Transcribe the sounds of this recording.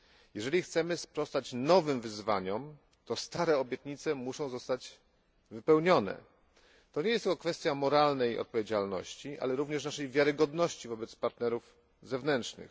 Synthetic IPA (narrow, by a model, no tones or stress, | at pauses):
jɛʐɛlʲixt̪sɛmɘspɾɔst̪at͡ɕnɔvɘmvɘzva̰ɲɔm | t̪ɔst̪aɾɛɔbʲjɛt̪ɲit̪sɛmuʂɔ̃w̃zɔst̪ad͡ʑ | vɘpɛwɲɔnɛ̰ | t̪ɔɲejɛst̪ɘkɔkfɛst̪ʲjamɔɾalnɛjɔ̰t̪̚pɔvʲjed͡ʑalnɔ̰ɕt͡ɕiʔa̰lɛɾuvɲɛʂnaʂɛjvʲjaɾɘɡɔd̪nɔɕt͡ɕivɔbɛt̪spaɾt̪nɛɾuf | zɛvnɛnt̪ʂnɘ̰x